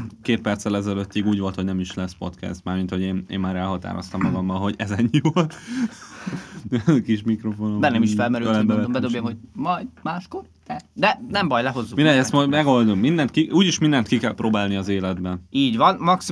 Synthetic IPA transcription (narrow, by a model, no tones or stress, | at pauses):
keːt̪̚pɛrt̪sɛlɛzɛløt̪ːiɡuːɟʋo̞lt̪honɛmiʃlɛspo̞̰t̪kɛ̰st̪maːrmint̪ho̞ɟeːnḛːmːaːɾɛlɦɒt̪a̰ːɾo̞̰st̪ɒmːɒɡɒmːɒlɦo̞ɟɛzɛɲːivolt̪ | kiʃmikɾo̞fonobɛnɛmiʃfɛlmɛɾyllmbɛlɛombɛd̪objɛmho̞ɟmɒjd̪maːʃkort̪ɛd̪ɛnɛmbɒjlɛɦo̞zːumiɾɛɛst̪mojmɛɡo̞ld̪ummind̪ɛnt̪kiʔuːɟiʃmind̪ɛnt̪kikɛlproːbaːlniɒzeːlɛd̪bɛniːɟvɒnmɒksi